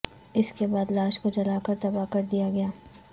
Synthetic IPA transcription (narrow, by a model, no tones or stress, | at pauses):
ɪskebaːd̪laːʃkod͡ʒɐlaːkɐɾt̪ɐbaːkɐɾd̪ijaɡɐjaː